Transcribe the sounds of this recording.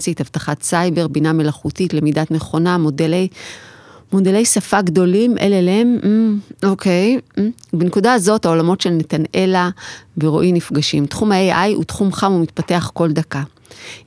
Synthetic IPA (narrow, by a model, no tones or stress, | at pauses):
sithavtaχatsajbe̞ʁbiname̞laχutitle̞midatmeχo̞namodelej | mo̞dele̞jsafaɡdo̞limʔḛleleem̩o̞kʰe̞j̩benekudaːzo̞thao̞lamo̞tʃe̞lne̞tane̞laveʁoʔimnifɡaʃimtχumaeʔajṵtχumχamumitpate̞aχko̞ldaka